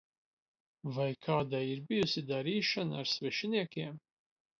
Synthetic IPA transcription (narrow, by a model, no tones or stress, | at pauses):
vajkʰaːd̪aːiɾbijusid̪aɾiːʃɐnaːɾsvɛʃiniɛkʲiɛm